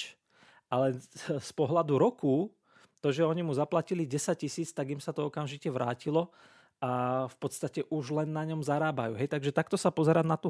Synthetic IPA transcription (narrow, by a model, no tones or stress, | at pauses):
alɛspɔɦlad̪uɾɔkuː | t̪ɔʒɛɔɲimuzaplaciliɟɛsac̚cisiːt͡st̪aɡimsat̪ɔɔkamʒicɛʋɾaːcilɔ | ʔafpɔt̪st̪acɛʔuʒlɛnːaɲɔmzaɾaːbajuːɦɛjt̪aɡʒɛt̪ak̚t̪ɔsapɔzɛɾanat̪u